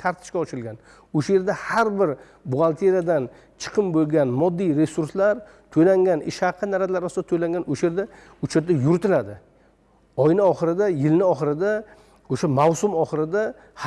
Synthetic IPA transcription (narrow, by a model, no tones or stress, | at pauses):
t̪ʰaɾt̪ʰɪ̥ʃkʲaɒt͡ʃʰɪɾɪlɡʲan | oʃaje̞ɾd̪ahaɾbɪɾ | bʊʁalˠt̪ʰeɾijad̪an | t͡ʃʰɨ̥qʰɨmbolˠɡʲanmɒd̪ːijɾe̞suɾslaɾ | t̪ʰojlaŋɡʲanɪʃhaqʰːɨnaɾat̪laɾasɪd̪at̪ʰojlaŋɡʲanoʃaje̞ɾd̪a | ʊt͡ʃʰat̪̚d̪ajʊɾt̪ɪlad̪ɪ | ɒjnɪɒχɨɾɪd̪ajɪlɪnɪɒχɨɾɪd̪a | oʃamawsʊmɒχɨɾɪd̪a | h